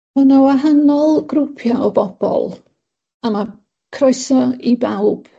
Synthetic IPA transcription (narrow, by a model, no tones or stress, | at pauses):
ənawaɦanɔlˠɡ̥rʊpʰjaɔbɔb̥ɔ̰lˠ | ama | kʰrɔjsɔibawb̥